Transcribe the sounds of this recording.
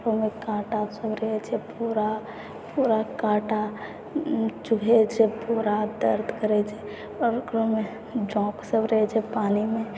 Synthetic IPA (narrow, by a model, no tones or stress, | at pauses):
kɾomekaʈasəbɾəɦɛt͡ʃʰɛpuɾa | puɾakaʈa | t͡ʃuɦɛt͡ʃʰɛpuɾad̪əɾd̪ʰʱkəɾɛt͡ʃʰɛ | ɔɾkɾome | d͡ʒɔ̃ksəbɾəɦɛt͡ʃʰɛpanime